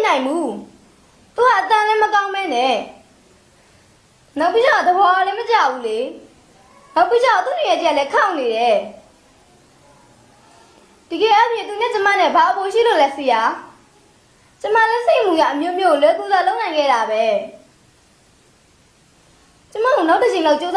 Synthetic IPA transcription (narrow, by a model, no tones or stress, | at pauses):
nãɪ̃mbu | t̪uhaʔət̪ãlɪ̃məkãʊ̃mbɛnɛ | naʊpːid͡ʑãd̪əbɔalɛ̃mət͡ɕabule | naʊpːid͡ʑãʊ̃t̪uɪɛtəjaʔlɛkʰãʊ̃neɾɛ | d̥iɡɛʔapʰjɪ̃t̪unɛ̃t͡ɕəma̰nɛ̰baʔəpoʃ̬ḭlolɛseja | t͡ɕəma̰lɛseɪʔm̥uɡa̰ʔəmjomjolwɛt̪ut̪aloʊʔnãɪ̃ŋɡɛ̰ɾabɛ | t͡ɕəma̰onaʊʔdəd͡ʑẽɪ̃loʊʔt͡ɕoza